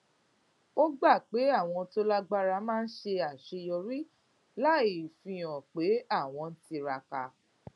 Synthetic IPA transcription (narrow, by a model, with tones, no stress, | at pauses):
o˦ɡ͡ba˦˨k͡pe˨˦a˦˨w̃ɔ̃˧to˦la˦ɡ͡ba˦ɾa˧mãː˦˧n̩˦ʃe˧a˨ʃe˧jɔ˧ɾi˦ | la˦i˨fĩ˧j̃ɔ̃˨k͡pe˨˦a˦˨w̃ɔ̃˧n̩˦ti˧ɾa˧ka˧